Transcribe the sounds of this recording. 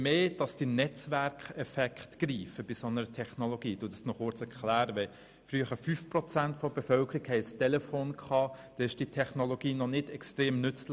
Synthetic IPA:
meːd̥ɑsd̥inɛt͡svæɾkɛfɛkχtɡ̥riːfəb̥ɪsɔnəɾətʰɛχnoloɡiːd̥udəstnɔχʊɾt͡sɛɾkʰlæːɾəʋɛ | fryəχəɾfyːfprɔt͡sæntfɔb̥efœlkʰəɾikhɛɪstɛlɛfoːnkχɑːd̥ɛɪʃd̥itʰɛχnoloɡ̥iːnɔnɪdɛkstʁeːmnʏt͡sl

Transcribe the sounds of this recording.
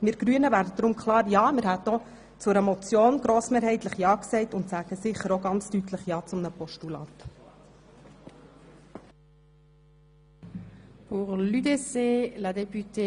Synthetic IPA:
mɪɾɡ̥ɾyənəvæːɾdəd̪ɾʊmkχlˠɑːɾjɑːmɪɾhæto | t͡sʊɾəmɔt͡sjoːnɡ̥ɾoːsmeːɾɦɛɪtləχjɑːksɛɪtʊnt̪sæːɡ̥əsɪχəɾoɡɑnt͡styt̪ʰləχjɑːt͡sʊmnəpɔʃtulɑ̰ːt̪ | puʁlyd̪eseːlad̪ɛpyt̪e

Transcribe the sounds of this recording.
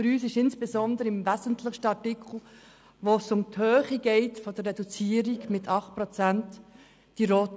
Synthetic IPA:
fɾyːsɪʃɪnsb̥ezɔnd̪əɾɪmvɛzən̩tʰlɪʃtəɑtikʰl̩ | ʋoːsʊmthøːχiɡɛɪtfod̥ərːɛdut͡siːəɾiɡmɪtʰɑχt̚pɾɔt͡sænt | d̥iɾɔt

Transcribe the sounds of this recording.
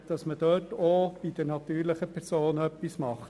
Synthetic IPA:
d̥ɑsməd̥øːtob̥id̥əɾnɑt̪yːɾlɪχəpʰɛɾsoːnœpːismɑχt

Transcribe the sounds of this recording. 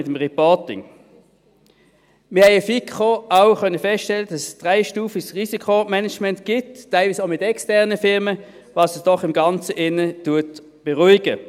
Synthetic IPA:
ɪtəmʁɛpɔtɪ̰ŋ | mɪʁhɛɪəfikχoaʊχœnəfɛstʃtɛlːədɑssd̥ʁaɪʃtuːfiɡsʁisikʰomɛnɛt͡ʃmɛntɡ̥ɪtːaɪlviːsaʊmɪtɛkstɛɐʁnəfɪʁmə | vɑːsəsd̥ɔχɪmɡɑnt͡səʔɪnətuɐt | b̥ɛʁuɪɡə

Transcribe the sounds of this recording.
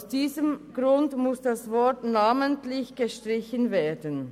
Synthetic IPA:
ʊsd̥iːzəmɡ̥ʁʊndmʊsd̥asvɔɐtnaːməntlɪçɡ̥əʃtʁ̥ɪçənveːɐdən

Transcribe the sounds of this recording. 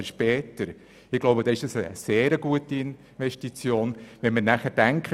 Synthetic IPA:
əʃpɛːtəɾ | ɪɡ̥loʊbədɑːɪʃdɑsə̰seːɾəɡuətiɪn | ʋɛʃtit͡sjoːnʋɛnməɾnæχəɾd̥æŋkχə

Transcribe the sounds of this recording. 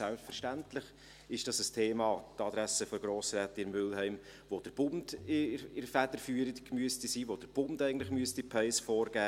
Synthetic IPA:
ælpsfəɾʃtæntlɪχ | ɪʃd̥ɑsəstʰeːmɑːt̪ɑd̥̪ɾæsəfɔɡ̥ɾoːsɾæːtɪɾmːʏlɦɛɪm | ʋod̥əɾb̥ʊnd̥ɪɪɾfæd̥əɾfyːəɾətkmyəstisiːʋod̥əɾb̥ʊndɛɪɡn̩tlɪχmyəstipʰɛɪsfɔːɾɡ̥æː

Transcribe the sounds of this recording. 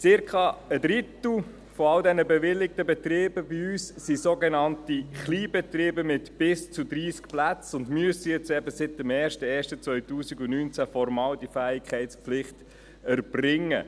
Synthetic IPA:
t͡sɪɾkʰɑəd̪ɾɪtl̩ | fɔɑldɛnəbɛvɪlːɪk̚təbɛt̪rɪːbəbiyːsːisoɡenɑntiχliːbɛt̪rɪːbəmɪtb̥ɪst͡sudɾiːskplæt͡sʊndmyəsijɛt͡sɛbəsɪt̚dəmɛːɾʃtəɛːɾʃtət͡svœʏtuːsiɡʊnyːnt͡sæfɔɾmɑːldifæːɪkʰɛɪtspflɪχt | æɾb̥rɪŋːə̰

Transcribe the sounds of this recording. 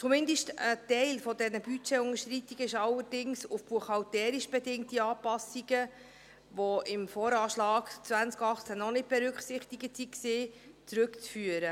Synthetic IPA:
t͡sumɪndəʃtətɛɪlfɔdɛnəbyt͡ʃɛʊŋəʃt̪ritiɡ̥əɪʃɑlːəɾd̥ɪŋsufb̥uəχɑltɛːɾiʃb̥ɛdɪŋtiɑːpɑsiɡə | ʋoɪmfɔːɾɑːʃlɑːɡt͡svænt͡skɑχt͡sænɔnɪt̚b̥ɛɾʉkχsɪχtiɡətsiksiː | t͡sɾɵkt͡sfyːəɾə

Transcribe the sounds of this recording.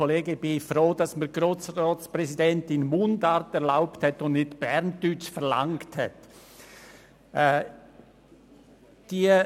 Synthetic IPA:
oleːɡəbɪɪçfɾoːdɑsməɡ̥ɾoːsrɔːsprɛsidɛntɪnmʊndɑɾtɛʁlaʊpthɛtʊndnɪtb̥ɛɾntyt͡ʃfɛʁla̰ŋkthɛ̰t | ɛː | d̥iː

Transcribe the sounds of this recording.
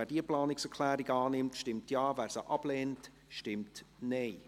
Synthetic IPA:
æːdiəplɑːnɪksɛɾkʰlæːɾiɡɑːnɪmtʃtɪmtjɑːvæːɾsəʔɑb̥lɛːnt | ʃtɪmtneɪ

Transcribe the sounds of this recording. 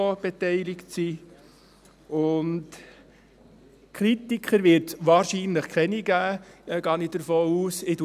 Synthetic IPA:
ob̥etɛɪlɪktsi | ʊnt | kʰɾitikχəɾʋɪːɾtʋɑːɾʃiːnləχkχɛniɡ̥æːɛɡ̥ɑːnid̥əɾfoːuːsɪdu

